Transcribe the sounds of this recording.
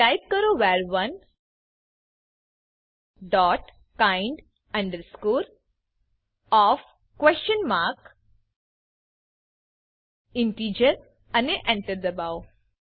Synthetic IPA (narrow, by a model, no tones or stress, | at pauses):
ʈajp̚kəɾoʋaɾʋɐn | ɖɔːʈ | kãɪɳɖ | ɐ̃ɳɖəɾskuːɾ | ɔːf | kʋɛst͡ʃənmaɾk | iɳʈiːd͡ʒəɾ | ɐneʔɛ̃ɳʈəɾd̪əbaw